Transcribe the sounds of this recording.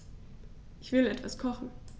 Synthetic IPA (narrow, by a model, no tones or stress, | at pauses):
ʔɪçv̥ɪlɛtv̥askʰɔχn̩